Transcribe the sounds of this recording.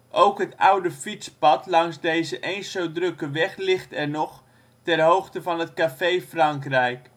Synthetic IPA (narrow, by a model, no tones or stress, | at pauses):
ʔowkɦətawdəfit͡spɑtlɑŋzdejzəʔejnsowdrøkəʋɛχlɪχtɛrnɔχ | tɛrɦowxtəvɑnətkafejfrɑŋkrɛjk